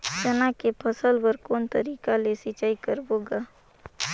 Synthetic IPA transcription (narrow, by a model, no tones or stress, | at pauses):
t͡ʃənakepʰəsəlbəɾkoːnt̪əɾiːkalesɪt͡ʃaːikəɾboɡaː